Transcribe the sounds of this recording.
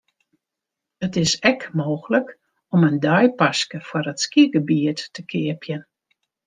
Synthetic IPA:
ətɪsɛkmoːxələk | ɔməndœjpaskəfwarətskiɡəbiətːəkʰɪəpʰjən

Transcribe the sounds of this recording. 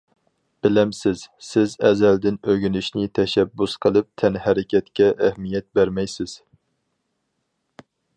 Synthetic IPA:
b̥ɪlɛmsɪz̥sɪzɛzɛld̪ɪnøɡʲynyʃnɪt̪ʰɛʃɛbːusqʰəlˠɨp̚t̪ʰɛnhæɾɪkʲɛt̪kʲɛʔæhmijɛt̪̚bæɾmɛjsɪz̥

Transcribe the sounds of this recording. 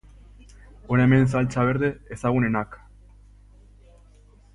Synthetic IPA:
oneme̞ns̬alt͡saβeɾðe̞ːsaɣ̞une̞nak

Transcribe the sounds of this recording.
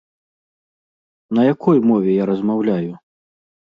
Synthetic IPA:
nɐjakʰɔjmɔvʲɛjaɾɐzmawlʲaju

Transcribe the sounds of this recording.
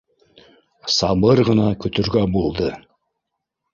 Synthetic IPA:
sɑbɤɾʁɤnɑkʲʰɵt̪ɵ̆ɾɡʲæbolˠd̪ə

